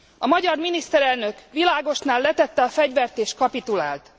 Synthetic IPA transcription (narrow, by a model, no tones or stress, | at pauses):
ɒmɒɟɒrminist̪ɛɾɛlnø̞kʋilaːɡo̞ʃnaːlːɛt̪ɛt̪ːɛɒfɛɟʋɛrt̪eːʃkɒpit̪ula̰ːlt̪